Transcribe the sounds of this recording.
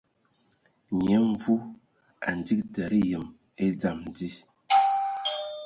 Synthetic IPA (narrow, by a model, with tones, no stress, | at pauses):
ɲɛ˨˦ɱ˦vu˦ | a̰˨n̩˨di˦k̚dɛ˨ɾi˦jə˨m | e˦d͡za˨m˨di˦